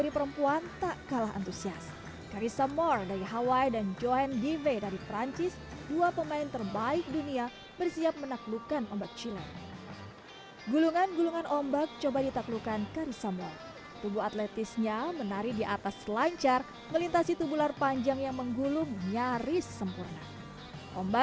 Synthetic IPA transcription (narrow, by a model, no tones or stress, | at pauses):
ɾipəɾəmpuant̪aʔkalaɦa̰nt̪usias | kaɾisamɔrdaɾiɦawajdand͡ʒoanɡivedaɾipɾaɲt͡ʃɪs | duapəmaint̪ərbaɪk̚dunia | bərsiap̚mənaklukanɔmbak̚t͡ʃilɛ̰n | ɡuluŋanɡuluŋanʔɔmbak̚t͡ʃobadit̪aklukankaɾisamɔr | t̪ubuat̪lɛt̪isɲamənaɾidiʔat̪aslaɲt͡ʃar | məlint̪asit̪ubularpaɲd͡ʒaŋjaŋməŋɡulʊŋɲaɾɪsːəmpurna | ʔɔmba